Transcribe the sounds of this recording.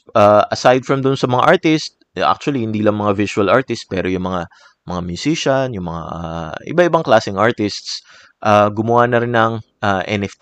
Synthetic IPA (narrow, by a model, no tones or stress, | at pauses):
ʔaʔɐsajd̪̚fɹɐmd̪ʊnsɐmɐŋa̰ʔaɹt̪ɪst̪̚ʔa̰k̚t͡ʃʊɐlihɪnd̪iːlɐŋmɐŋavɪsʊɐlʔaɹt̪ɪst̪̚pɛ̰ːɾojʊŋmɐŋa | mɐŋamjʊsiʃɐnjʊŋmɐŋa̰ʔaʔɪ̰bat̪ʔɪbaŋklaːsɪŋʔaɹt̪ɪst̪s | ʔaːɡʊmʊwanɐɾɪnːɐŋʔaʔɛ̰nɛft̪